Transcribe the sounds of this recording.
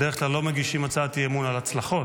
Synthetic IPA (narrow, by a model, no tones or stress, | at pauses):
deʁəklalːomeɡiʃimat͡saːt̪iemunalat͡slaχo̞